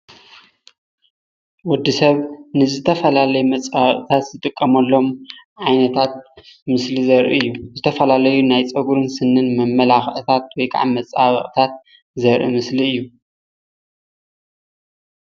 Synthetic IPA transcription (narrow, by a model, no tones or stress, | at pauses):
wʊd̪ːisɐβnɨzɨt̪ʰɐfɐlalɐjmɐt͡sʼaβʔʼt̪ʰat̪zɨt̪ʼɨkʼːɐmɐlːo̞mʕajnɐt̪ʰat̪̚mɨslizɐɾʔḭɨjːuzɨt̪ʰɐfɐlalɐjunajt͡sʼɐɡuɾɨnsɨnːɨnmɐmːɐlaxʔɨt̪ʰat̪̚wɔjkʰʼa̰ʕamɐt͡sʼaβɨ̰χʼt̪ʰat̪̚ | zɐɾʔɨ̰mɨsliɨjːu